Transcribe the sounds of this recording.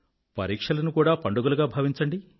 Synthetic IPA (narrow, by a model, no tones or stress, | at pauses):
pɐ̰ɾiːkʂɐlɐnukuːɽaːpɐɳɖuɡuluɡaːbʱɐʋiɲt͡ʃɐɳɖi